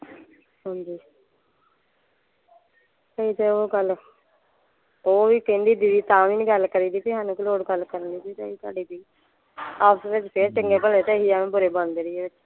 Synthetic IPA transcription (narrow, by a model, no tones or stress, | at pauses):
ɦãːɲd͡ʒiː | kəiːt̪eoːɡəl | oːʋiːkɪnd̪iːd̪iːd̪iːt̪ãːʋiːnĩɡəlkəɾiːd̪iːpiːɦaːnũːkiloːɽɡəlkəɾənd̪iːpiːt̪əiːt̪a̰ːɖiːpiː | aːpʰsʋɪt͡ʃpʰeɾt͡ʃɪŋɡeːpəleːt̪eɦiːaːmẽːbʊɾeːbənd̪eːɾiːeːʋɪt͡ʃ